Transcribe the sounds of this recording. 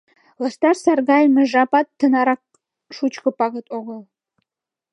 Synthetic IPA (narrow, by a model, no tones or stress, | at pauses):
lˠəst̪ɑrsɑrɡɑjməʒɑpɑt̪ʰːə̆nɑɾɑk̚ | ʃut͡ɕkəpɑɣət̪oʁəlˠ